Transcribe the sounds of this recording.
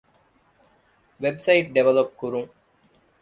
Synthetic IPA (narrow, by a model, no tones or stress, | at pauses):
ʋebsɐiʈ̚ɖeʋɐlɐp̚kuɾuŋ